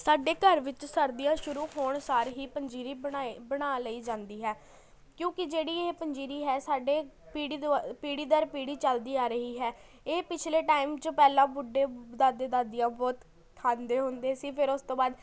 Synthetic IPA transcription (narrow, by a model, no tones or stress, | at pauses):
saːɖeːkəɾʋɪt͡ʃsəɾd̪ijãːʃʊɾuːɦoːɳsaːɾɦiːpəɲd͡ʒiːɾiːbaebəɽaːləiːd͡ʒãːnd̪iːɦɛː | kjõːkɪd͡ʒeːɽiːeːpəɲd͡ʒiːɾiːɦɛːsaːɖeːpiːɽiːpiːɽiːd̪əɾpiːɽiːt͡ʃəld̪iːaːɾəɦiːɦɛː | eːpɪt͡ʃʰleːʈaːiːmt͡ʃəpɛːlãːbʊɖeːd̪aːd̪eːd̪aːd̪ɪjãːbɔːt̪ | kʰːaːnd̪eːɦʊnd̪eːsiːpʰɪɾʊst̪õːbaːd̪